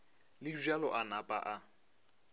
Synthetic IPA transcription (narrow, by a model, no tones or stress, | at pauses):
lɪʒalɔʔanapʼa̰ʔa